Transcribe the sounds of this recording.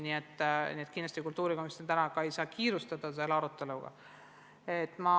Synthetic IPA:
nie̞t̪ːnʲiet̪kind̪lɑst̪ikult̪ːuːɾikomist̪ent̪ænɑkɑejsɑːkʰiːɾust̪ɑd̪̥ɑs̬e̞lɑɾut̪ːˑe̞luɡ̥ɑ̰ | et̪ːˑmɑ

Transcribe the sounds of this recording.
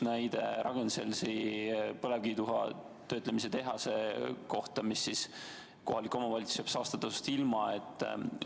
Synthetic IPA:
næjd̪e̞ɾʔɑɡ̥enselsipɤlevkiːd̪uɦɑ̰ | t̪ø̞ːt̪ˑlemis̬e̞t̪e̞ɦɑseko̞ht̪ɑmisːis | ko̞ɦɑlikːˑo̞mɑvɑlʲit̪sjɑb̥sɑːst̪ɑt̪ːɑsust̪ilmɑet̪ːˑ

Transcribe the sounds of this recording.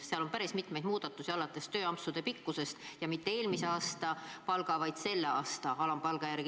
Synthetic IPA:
seɑlo̞mpæɾismit̪mejd̪muːd̪̥ɑt̪ːˑusiɑlɑt̪ːˑest̪ø̞ːɑmpsud̪̥e̞pikːuse̞st̪jɑmit̪ːee̞ːlmise̞ɑːst̪ɑpɑlɡ̥ɑvɑjd̪̥se̞lːeɑːst̪ɑɑlɑmpɑlɡ̥ɑjæɾɡi

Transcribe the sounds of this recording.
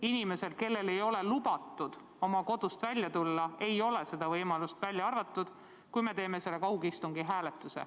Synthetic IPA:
inime̞se̞lke̞lːe̞le̞jo̞le̞lub̥ɑt̪ːˑud̪̥ | o̞mɑko̞d̪ust̪vælʲjɑt̪ulːɑe̞jo̞le̞se̞d̪̥ɑvɤjmɑlust̪vælʲjɑɑrvɑt̪ːˑud̪̥ | kujme̞t̪e̞ːme̞se̞lːe̞kɑwɡist̪uŋɡ̥iɦæːlet̪ːˑusḛ

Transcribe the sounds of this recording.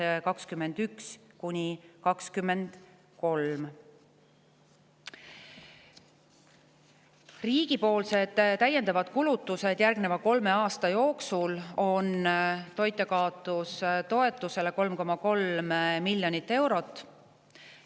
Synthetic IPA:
kɑkskymːe̞nd̪̥ykskunʲikɑkskymːe̞nd̪̥ | ko̞lm | riːɡ̥ipo̞ːlse̞d̪̥t̪ːæje̞nd̪ɑvɑd̪̥kulut̪ːˑuse̞d̪̥jærɡ̥nevɑko̞lme̞ɑːst̪ɑjo̞ːksulo̞nt̪o̞jt̪ːˑekɑːot̪ˑːust̪o̞e̞t̪ːˑuse̞le̞ko̞lmko̞mɑko̞lmmilʲjo̞nʲit̪ːe̞wɾo̞t̪ːˑ

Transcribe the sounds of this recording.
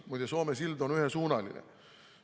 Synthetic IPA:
mujd̪eso̞ːmesild̪o̞nyhesuːnɑlḭnḛ

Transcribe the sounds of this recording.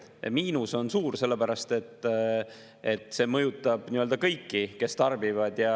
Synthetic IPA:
miːnuso̞nsuːɾse̞lːe̞pæɾɑst̪e̞t̪ːˑ | et̪ːˑse̞ːmɤjut̪ːˑɑb̥niøld̪ɑkɤjkːike̞st̪ɑrbivɑd̪̥jɑ

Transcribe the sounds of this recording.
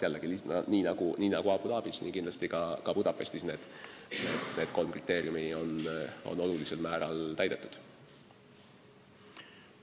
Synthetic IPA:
jælːeɡ̥iliniːnɑɡ̥uniːnɑɡ̥uɑpud̪ɑːb̥isnḭŋkind̪lɑst̪ikɑkɑpud̪̥ɑpːest̪sisne̞ːd̪̥nene̞ːd̪̥ko̞lmkrit̪ːˑe̞ːɾijumio̞no̞̰nːo̞lulise̞lmæːɾɑlt̪æjd̪et̪ːˑu̥d̪̥

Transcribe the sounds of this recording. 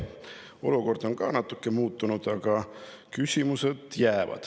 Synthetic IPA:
o̞̰luko̞rd̪̥o̞ŋkɑ̰ːnɑt̪ːˑukːe̞muːt̪ːˑunud̪̥ɑɡ̥ɑ | kysʲimuse̞d̪̥jæːvɑ̰d̪̥

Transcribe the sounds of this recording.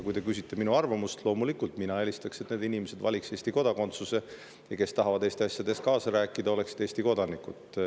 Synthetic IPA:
kujt̪e̞kysit̪ːe̞minuɑrvɑmust̪lo̞ːmulikult̪minɑe̞lʲist̪ɑkset̪ned̪inimese̞d̪vɑ̰lʲikse̞ːst̪iko̞d̪̥ɑko̞nt̪suse̞ | jɑke̞st̪ɑɦɑvɑd̪eːst̪iɑsjɑd̪e̞st̪̚kɑːsɑɾæːkːˑid̪ɑo̞le̞kse̥t̪ːeːst̪iko̞d̪ɑnikːut̪

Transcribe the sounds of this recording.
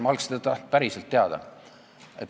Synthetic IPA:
mɑlkst̪d̪ɑt̪ɑh̪̚pæɾiselt̪ːe̞ɑd̪̥ɑ̰ | et̪

